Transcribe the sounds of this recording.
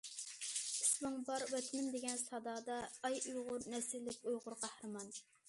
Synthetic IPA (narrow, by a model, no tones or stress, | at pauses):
ismɨŋbɑɾwɛt̪ʰmɪnd̪eɡʲɛnsɑd̪ɑːd̪ɑːjujʁʊɾnɛsɪlːɪkʲojʁʊɾqʰɑhɾɨmɑn